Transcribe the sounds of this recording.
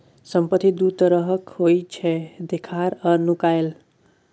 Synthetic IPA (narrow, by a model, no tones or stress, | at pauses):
səmpət̪ʰːid̪ut̪əɾəɦəkhojt͡ʃʰɛd̪ekʰaɾəɾnukael